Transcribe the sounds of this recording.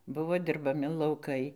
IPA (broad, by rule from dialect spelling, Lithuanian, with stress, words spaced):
ˈbʊʋoː dʲɪrbɐˈmʲɪ lˠɐʊˈkɐɪ